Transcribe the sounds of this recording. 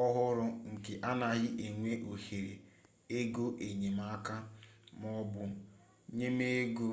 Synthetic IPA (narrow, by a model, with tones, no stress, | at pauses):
ɔ˦ɦʊ˦ɾʊ˦ŋ̩˨ke˨ʔa˦na˨ɣɪ˦ʔe˨ŋʷe˦ʔo˨he˨ɾe˨ | e˦ɡo˦ʔe˨ɲe˨ma˦ka˦m˦ɔ˦bʊ˦ | ɲe˦me˦e˦ɡo˦